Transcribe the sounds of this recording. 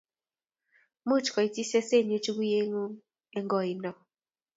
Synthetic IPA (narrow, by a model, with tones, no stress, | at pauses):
mu˦t͡ʃkɔ˨i˨ti˦sɛ˦se˦˨ɲu˦t͡ʃu˦ku˦je˦ŋu˦ | ɛ˦ŋɡɔ˨i˨nɔ˨